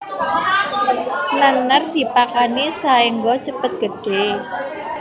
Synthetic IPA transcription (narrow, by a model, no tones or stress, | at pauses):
nanərd̪̥i̤pakanisaiŋɡɔt͡ʃəpət̪̚ɡ̥əɖ̥e